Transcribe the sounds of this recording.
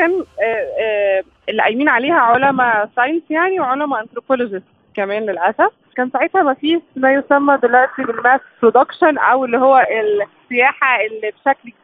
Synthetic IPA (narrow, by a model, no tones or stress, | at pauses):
kæːnː | elːʔæjmiːnʕaleːhæʕolæmæsˤɑjnsjaʕniweʕolæmæʔænt̪ɾopolod͡ʒest̪kæmæːnlelʔæsæf | kæːnsˤaʕet̪hæmæfiːʃmæjosæmːæd̪elwæʔt̪ibelmæːspɾod̪ɑkʃænʔæwelːihowːæʔelsːejæːħaʔelːibʃækl